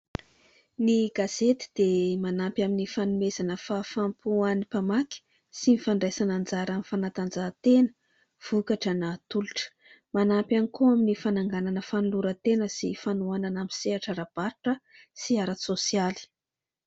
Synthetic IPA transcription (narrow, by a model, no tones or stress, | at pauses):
niɡaz̥et̪i̥d̪̥emanampjaminifanumezanəfafampuanipamaki̥ | sinifaɳɖ͡ʐesanand͡zaɾamifanat̪and͡zaːt̪enə̥ | v̥ukaʈ͡ʂənat̪uluʈ͡ʂə̥ | manampʲanikuaminifanaŋɡananəfanuluɾət̪enəsifanuananamiseaʈ͡ʂaɾab̥aɾuʈ͡ʂəsiaɾasosiali̥